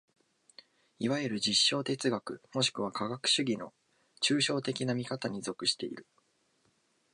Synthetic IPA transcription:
iβaeɾɯ̟d͡ʑiɕːo̞ːt̪e̞t͡sɨɡakɯ̟mo̞ɕi̥kɯ̟β̞akaɡakɯ̟̥ɕɨɡʲino̞ | t͡ɕɨːɕo̞ːt̪e̞kʲinamʲikat̪aɲ̟izo̞kɯ̟ɕi̥t̪e̞ḭɾɯ̟

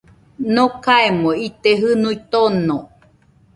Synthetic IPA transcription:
nokaemoit̪eɦɨnuit̪onõ

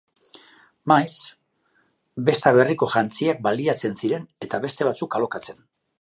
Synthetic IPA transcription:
majs | be̞st̪aβe̞riko̞ʝant͡siak̚baliat͡se̞nsiɾe̞ne̞t̪aβe̞st̪e̞β̞at͡sukalo̞kat͡se̞n

